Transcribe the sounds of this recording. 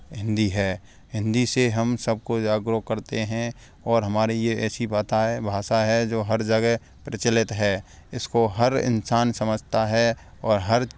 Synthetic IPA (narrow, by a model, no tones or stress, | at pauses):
ɦɪ̃nd̪iɦɛː | ɦɪ̃nd̪iseɦɐmsəb̚ʱkod͡ʒaːɡɾokəɾt̪eɦɛ̃ | ɔːɾɦɐmaːɾejeɛːsibaːt̪aɦɛbʱaːʃaɦɛd͡ʒoːɦɐɾd͡ʒɐɡɛ | pɾɪt͡ʃəlɪt̪ɦɛː | ɪskoɦɐɾɪ̰nsaːnsɐməd͡ʒʱt̪aɦɛ | ɔːɾɦəɾ